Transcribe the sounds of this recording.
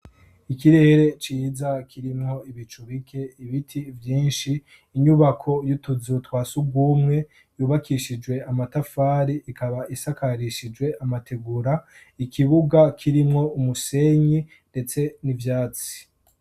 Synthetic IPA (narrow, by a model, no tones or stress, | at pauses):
ikiɾe̞ːɾe̞t͡ʃiːzakʰiɾimŋo̞iβit͡ʃuβikʰe̞iβitʰivjiːnʃiː | ɲuβakʰo̞jutuzutwaːsuɡwuːmŋe̞ | juːβakiʃid͡ʒwe̞amatafaːɾiʔikʰaβaʔisakaɾiʃid͡ʒwe̞ʔamate̞ɡuɾa | ikʰiβuɡakʰiɾimŋo̞umuse̞ɲi | nde̞t͡se̞nivjaːt͡si̥